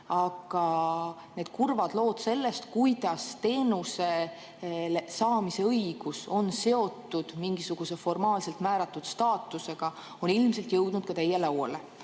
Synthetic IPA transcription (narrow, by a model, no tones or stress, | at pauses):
ɑɡ̥ɑne̞ːd̪̥kurvɑd̪lo̞ːd̪̥se̞lːe̞st̪kujd̪̥ɑst̪e̞ːnuse̞ | lesɑːmise̞ɤjɡ̥uso̞nse̞o̞t̪ːud̪̥miŋɡ̥isuɡ̥use̞fo̞rmɑːlse̞lt̪mæːɾɑt̪ˑːud̪̥st̪ɑːt̪ːˑuse̞ɡ̥ɑ | o̞nilmse̞lt̪jɤwd̪̥nud̪̥kɑt̪ejːelɑwɑ̰le